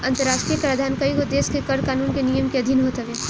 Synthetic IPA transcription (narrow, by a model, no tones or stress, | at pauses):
ɐ̃nt̪əɾaːʃʈɾijəkɾəd̪ʱaːnkɐikod̪eːskekɐɾkaːnuːnkenijəmkeɐd̪ʱinɦoːt̪eʋeː